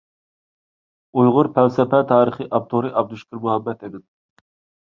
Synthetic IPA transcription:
ujʁʊɾpʰɛlsɛpɛt̪ʰɑːɾəχɨʔɑp̚t̪ʰoɾɨʔɑb̚d̪uʃkʲɨɾmuɦɛmːɛt̪ed̪ɪn

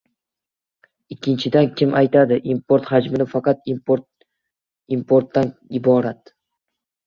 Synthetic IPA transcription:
ɪkʲʰːɪnt͡ʃʰɪd̪ankʲʰɪmʔajt̪ʰad̪ɪʔimpʰo̞ɾt̪had͡ʒmɪnɪfɑqɑt̪ | impʰoɾt̪ːanɪbɒɾat̪̚

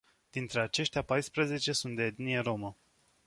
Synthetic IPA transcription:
d̪̥int̪ɾe̞at͡ʃe̞ʃt̪eapajspɾəze̞t͡ʃe̞sunt̪̚d̪eːd̪nijeɾo̞mə

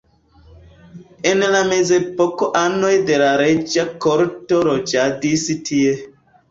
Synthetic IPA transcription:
enlamezepokoʔanojdelaɾed͡ʒakoɾtoɾod͡ʒadisitʰie

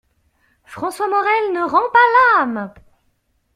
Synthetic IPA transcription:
fχɑ̃swamɔʁɛlnəʁɑ̃palam

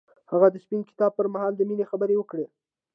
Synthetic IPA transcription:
haɣad̪əspinkɪ̥t̪ɑb̚pəɾmahɑld̪əminexabəɾewəkɽe

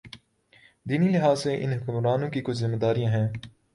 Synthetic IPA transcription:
d̪iːnilɪɦaːzseʔɪ̰nɦʊkʊmɾaːnõkikʊt͡ʃʰzɪmːed̪aːɾijãːɦɛ̃ː

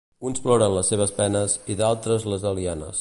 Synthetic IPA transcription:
unsplɔɾənləsːeβ̞əspɛnəsiðalˠt̪ɾəzləzəlianə̰s

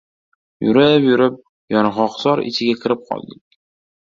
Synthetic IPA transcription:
jʊ̰ɾapjʊɾɪp̚ | jɒnɑʁɒqzɒɾɪ̰t͡ʃʰɪɡʲakʲʰɪɾɪp̚qʰɒ̰lˠd̪ɪk̚ʲ

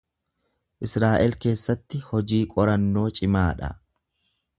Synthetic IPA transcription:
ʔɪsɾaːʔɛlke̞ːsːɐt̪ːɪhɔd͡ʒiːkʼɔɾɐnːo̞ːt͡ʃʼɪmaːᶑɐ̰

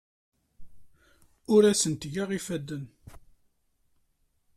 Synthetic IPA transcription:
ʊɾæsənt̪ʝaʁifæd̪ən

